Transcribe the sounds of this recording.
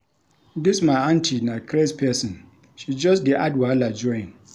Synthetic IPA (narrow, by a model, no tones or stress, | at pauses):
dɪsmaʔantʰinakɾespɛsɔ̃n | ʃid͡ʒɔsdiʔadwalad͡ʒɔɪ̃n